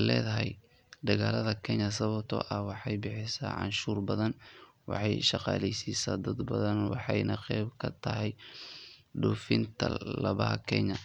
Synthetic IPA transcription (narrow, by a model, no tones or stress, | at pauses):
lɛːðɐɦɛj | d̪ɐɣaːlɐðɐkʰɛɲɐs̬ɐβɐbt̪ʰɔ̰ːʔɐwɑħɑjbɪħɪsa̰ːʕɑ̰nʃuːrbɐðɐn | wɑ̰ħɑjʃɑqɑ̰ːlɛjsiːsaːd̪ɐd̪bɐðɐnwɑ̰ħɑjnɐqɛjbkʰɐt̪ʰɐɦɛj | ɖʊːfɪnt̪ʰɐ̰lɐβɐɦɐkʰɛɲɐ